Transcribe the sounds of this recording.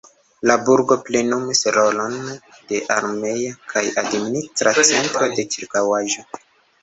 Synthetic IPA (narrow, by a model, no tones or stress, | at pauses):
labuɾɡo̞plenumisɾo̞lo̞n | d̥e̞ʔaɾme̞jakʰajadministɾat͡se̞ntɾo̞de̞t͡ʃiɾkawaʒo̞